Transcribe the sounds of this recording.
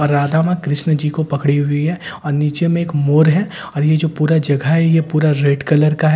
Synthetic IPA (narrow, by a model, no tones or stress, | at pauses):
ɔːɾːaːd̪amẽkɾɪʃnd͡ʒiːkopɐkɽiɦʊiɦɛɔːɾniːt͡ʃemẽeːkmoːɾɦɛ | ɔːɾjed͡ʒoːpuːɾad͡ʒɐɡʱaɦɛjepuːɾaɾeːɖkɐləɾkaɦɛ